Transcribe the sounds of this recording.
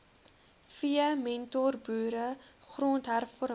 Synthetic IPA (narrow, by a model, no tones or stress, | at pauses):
fiəmɛntɔrbuːɾəχroːntɦærfɔɾ